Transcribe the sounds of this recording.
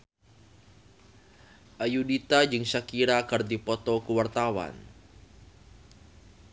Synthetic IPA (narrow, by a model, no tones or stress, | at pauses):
ʔajudit̪ad͡ʒɨŋsakiɾakərd̪ipɔt̪ɔkuwart̪awa̰n